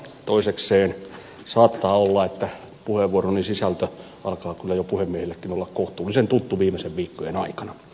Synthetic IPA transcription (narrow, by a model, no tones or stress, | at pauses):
t̪oisekseːn | sɑːt̪ːɑːolːɑet̪ːæ | puheʋʋuoronisisælt̪ø | ɑ̰lkɑːkylːæjopuhemːiehilːekːinolːɑkkoht̪uːlːisent̪ut̪ːuʋiːmeseʋʋiːkːojenɑikɑnɑ